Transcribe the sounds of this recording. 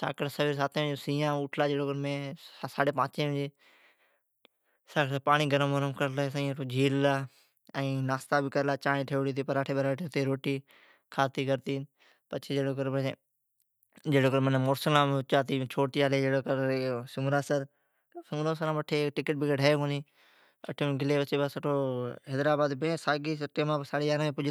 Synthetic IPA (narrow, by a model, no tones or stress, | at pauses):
sa̰ːkəʈsəʋiːɾs̬aːt̪ẽːd͡ʒosĩːjãːʊʈʰlaːd͡ʒeːɽoːkəɾmẽːsaːɽeːpãːt͡ʃẽːɪ̃d͡ʒeː | saːkːpaːɽ̃iːɡəɾəmʋəɾəmkəɾlaːesəĩʈoːd͡ʒʱiːllaː | ɛ̃ːnaːst̪aːbɪkəɾlaːt͡ʃaːnĩːʈʰeːʋɽiːt̪ʰiːpəɾaːʈʰeːbəɾaːəʈʰit̪eːɾoːʈiː | kʰaːt̪iːkəɾt̪iːn | pət͡ʃʰeːd͡ʒeːɽoːk̬əɾbəe | d͡ʒeːɽoːkəɾmənːmoːɾsəlãːmːt͡ʃaːt̪iːt͡ʃʰoːt̪iːaːleːd͡ʒeːɽoːkəɾsʊŋɾaːsəɾ | sʊŋɾõːsəɾãːʋəʈʰeːʈɪkəʈ̚bɪɡəɖʱaːjkõːniː | ə̰ʈʰiːɡɪleːʋət͡ʃeːbaːsəʈʰoːɦeːd̪ɾaːbaːd̪bẽːsaːɡiːsəʈeːmãːsaːɽeːjaːɾmẽːpʊd͡ʒ